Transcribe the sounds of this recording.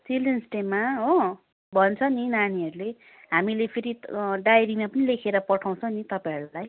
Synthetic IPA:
t̪ilensʈemaɦo | bʱʌnt͡sʰʌninaniʌɾule | ɦamilepʰeɾiɖajɾimapʌnilekʰeɾʌpʌʈʰaw̃t͡sʰʌ̃nit̪ʌpãʌɾulaj

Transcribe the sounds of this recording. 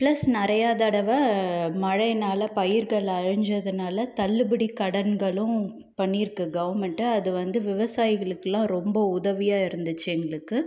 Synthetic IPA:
pɭɐsnɪɾɐjaːðɐɽɐʋɐmɐɻɐɪnaːlɐpɐjɪɾɣɐɭɐɻɯɲd͡ʒɐðɯnaːlɐt̪ɐlːɯbɪɽikɐɽɐnɡɐɭʊ̃ | pɐɳːiɾɯkːɯɡɐʋɐɾmɛɳʈɯɐðɯʋɐnd̪ɯʋɪʋɐsaːjɪɣɐɭɯkːɐlãːɾɔmbɐʊðɐʋɪjaːɪɾɯnd̪ɯt͡ʃːɯɛŋɡɐɭɯkːɯ

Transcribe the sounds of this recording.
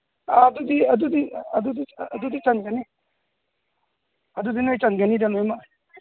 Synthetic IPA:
aːd̪ud̪iɐd̪ud̪iɐd̪ud̪id̪ud̪it͡ʃanɡani | ɐd̪ud̪inajt͡ʃanɡanidanojma

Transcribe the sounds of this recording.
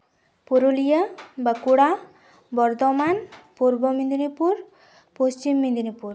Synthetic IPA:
poɾolijabakuɽa | bɔɾd̪ɔmanpuɾbɔmind̪inipuɾ | post͡ʃimːind̪inipuɾ

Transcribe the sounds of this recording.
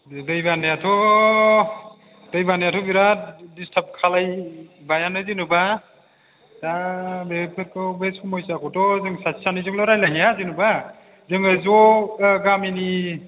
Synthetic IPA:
dɯjbanajatʰɔ | dɯjbanajatʰɔbiɾadistʰap̚kʰalajbajanɯzinuba | zabepʰɯɾkɯbeskumɔjsakɔtɔzɯŋsatsanɯzɯŋlɔɾajlaɦijazinuba | zɯŋɯzɔɡamini

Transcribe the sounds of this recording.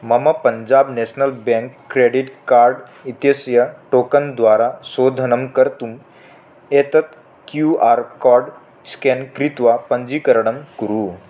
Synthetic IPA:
məməpəɲd͡ʑabnɛsnəlbɛ̃ŋkːɾeɖiʈkaɾɖ | it̪jəsjəʈokənd̪ʋaɾasod̪ʱənəmkəɾt̪um | et̪ət̪ | kjuʔaɾkɔɾɖ | skɛnkɾit̪ʋapəɲd͡ʑiːkəɾɽəmkuɾuː

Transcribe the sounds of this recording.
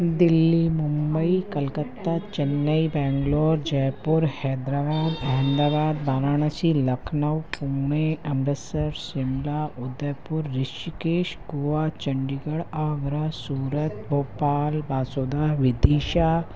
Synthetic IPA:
d̪ɪlːimʊmbəikɐlkət̪ːaːt͡ʃɐnːəibɛːŋɡloːɾd͡ʒɐjpuɾhɛːd̪ɾaːbaːd̪ɐɦnd̪aːbaːd̪̚baːɾaːɳ̃ɐsilɐkʰnɐwpuːmeɐmɾɐsɐɾsɪmlaʊd̪əjpʊɾːɪʃikeːʃɡuʋat͡ʃɐɳɖiɡəɽaːɡɾasuːɾət̪̚boːpaːlbaːsoːd̪aːɦʋɪd̪iːʃa

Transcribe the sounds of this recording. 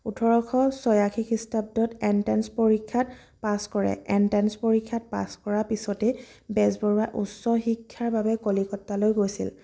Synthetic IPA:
utʰɔɹɔkʰɔsɔjakʰikʰistab̚dɔtɛntɛnspoɹikʰːat | paskɔɹɛ̰ɛntanspoɹikʰːat̚pa̰skɔɹapisɔtɛ | bɛzbɔɹuaʔusːɔxikʰːaɹbabɛkolikɔtːalojɡojsḭl

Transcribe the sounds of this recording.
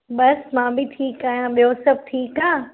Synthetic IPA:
ɓɐsmãːbʱɪʈʰiːkaːjãɓijosɐb̚ʱʈʰiːkaː

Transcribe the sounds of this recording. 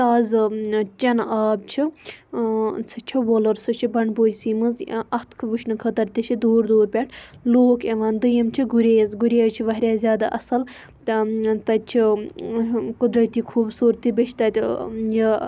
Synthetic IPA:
t̪aːzɨt͡ʃɐnaːb̚t͡ʃʰi | t͡sʰɨt͡ʃʰuʋoːlɐɾsut͡ʃʰibɐɳɖboːjʲsiːmɨzɐt̪kʰʋɨʃnɨkʰɐt̪ɐɾt̪ʲit͡ʃʰid̪oːɾd̪oːɾpʲeʈʰloːkeʋaːnd̪ɨjɐmt͡ʃʰiɡuɾʲeːjɐzɡuɾʲeːɾt͡ʃʰiʋɐɦɾʲjaːzʲjaːd̪a̰ːʔɐsɐl | t̪t̪ɐt͡ʃʰi | kʊd̪ɾɐt̪iːkʰuːbsuːɾt̪iːbʲeʃʰt̪ɐt̪ʲjɐ

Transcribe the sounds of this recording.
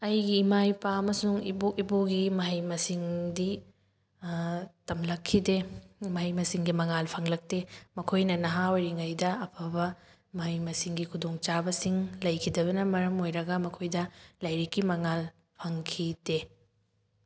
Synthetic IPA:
ɐjɡiːmajpaɐmɐsuŋiboiboɡimɐɦɐjmɐsiŋdi | tɐmlɐkʰːidemɐɦɐjmɐsiŋɡimɐŋalpʰɐŋlɐk̚temɐkʰojnɐnɐɦaojɾiŋɐjdɐɐpʰɐbɐ | mɐɦɐjmɐsiŋɡikʰudoŋt͡ʃabɐsiŋlɐjkʰidɐβɐnɐmɐɾɐmojɾɐɡɐmɐkʰojdɐlɐjɾikːimɐŋal | pʰɐŋkʰide

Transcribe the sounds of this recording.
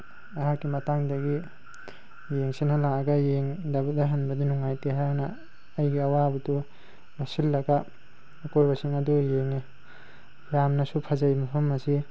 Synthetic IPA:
aɦakimataŋdɐɡi | jeŋsenalaaɡajeŋdabudaɦanbadinuŋajteɦanaː | jɡiawabutu | masilːaɡa | akojbasiŋadujeŋni | jamnasupʰazajmapʰamːasi

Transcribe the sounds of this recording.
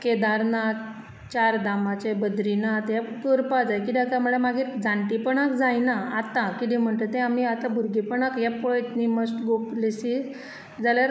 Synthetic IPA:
ked̪aɾna | t͡ɕaɾd̪amat͡ɕebəd̪ɾinat̪jakəɾpad͡zajkid̪akamuɭemaɡiːɾd͡zaɳʈipəɳakd͡zajnaat̪ãkid̪ĩm̤əɳt̪ət̪ːẽamiat̪ãbʱuɾɡipəɳakjapojet̪niməsʈɡoplesi | d͡zaljaɾ

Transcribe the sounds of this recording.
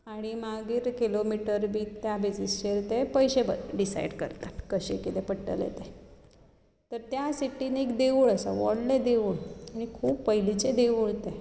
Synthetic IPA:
aɽ̃imaɡiːɾkilomiʈəɾbʱiːt̪jabʱid͡zisɕeɾt̪epəjɕebəɖisa̰jɖkə̰ɾt̪akəɕḛkit̪epəʈːəlḛt̪e | t̪əɾt̪jasiʈːinekd̪eʋuɭəsa̰ʋɔ̰ɽled̪eʋuɭaɽ̃ikʰuːpːəɦilit͡sed̪eʋuɭt̪ẽ

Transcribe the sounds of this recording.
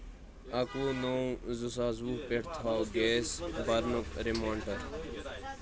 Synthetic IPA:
ɐkoːnoːũzusaːzuːpeʈt̪ʰaːwɡeːsbɐɾnʊkɾemãːɳʈəɾ

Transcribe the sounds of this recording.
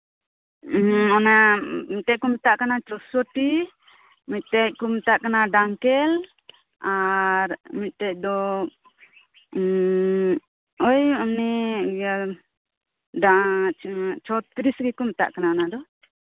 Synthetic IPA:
ɔnamit̪tɛc̚kumt̪aʔkanat͡ʃɔsɔʈi | mit̪̚t̪ɛc̚kumt̪aʔkanaɖaŋkɛl | aɾmit̪̚t̪ɛc̚ˀd̪ɔ | ojamnɛa | ɖa | t͡ʃʰɔt̪ɾisɡɛkumt̪a̰ʔkanaɔnad̪ɔ

